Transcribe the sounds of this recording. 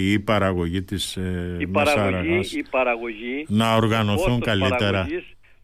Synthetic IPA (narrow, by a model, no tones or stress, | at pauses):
pɐɾɐɣo̞ʝit̪ismɐsɐɾɐɣɐɐɾɐɣoʝinɐo̞ɾɣɐno̞θuŋkɐlie̞ɾɐis